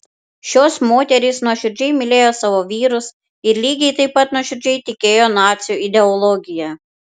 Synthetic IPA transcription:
ʃʲoːsmoːt̪ʲɛɾʲɪsnuɔʃʲɪɾʲd͡ʒʲɛɪmʲɪlʲeːjoːsɑːʋoʋʲiːɾʊs | ɪɾlʲiːɡʲɛɪt̪ɐɪpːɐt̪nuɔʃʲɪɾʲd͡ʒʲɛɪt̪ʲɪkʲeːjoːnɑːt̪sʲjuːɪd̪ʲɛɔlˠɔɡʲɪjɛ

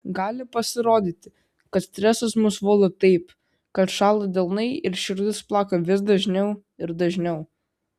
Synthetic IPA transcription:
ɡɑːlʲɪpɐsʲɪɾoːd̪ʲit̪ʲɪ | kɐt̪sʲt̪ʲɾʲæːsɐsmʊsʋoːlˠɐt̪ɐɪp | kɐt̪ʃɑːlˠɐd̪ʲɛlˠnɐɪɪɾʃʲɪɾʲd̪ʲɪsplˠɑːkɐʋʲɪs̬d̪ɐʒʲnʲɛʊ | ɪɾd̪ɐʒʲnʲɛʊ

